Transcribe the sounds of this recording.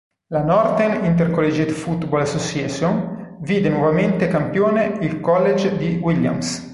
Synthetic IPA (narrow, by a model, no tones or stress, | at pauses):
lanɔrt̪enint̪̬erkolːed͡ʒet̪fut̪bolasosjɛːsunviːd̪enwɔvament̪ekampjoːneilkɔlːed͡ʒd̪iwilja̰ms